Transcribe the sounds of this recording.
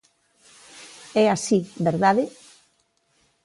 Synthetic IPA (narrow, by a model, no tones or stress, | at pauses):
ɛasiβeɾðaðɪ